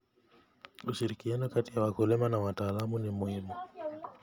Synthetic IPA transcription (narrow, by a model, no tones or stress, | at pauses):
uʃiɾikianukatijawakulɛmanawataːlamunimuhimu